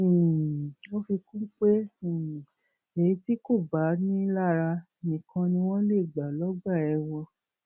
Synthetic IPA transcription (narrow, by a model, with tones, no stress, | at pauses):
o˦fi˧kũ˦k͡pẽ˦˨ | e˨i˧ti˦ko˦˨ba˨˦nĩ˦la˦˨ɾa˧ | nĩ˨kʰã˧nĩ˧w̃ɔ̃˦le˦˨ɡ͡ba˨lɔ˦ɡ͡ba˦˨ɛ˧wɔ˧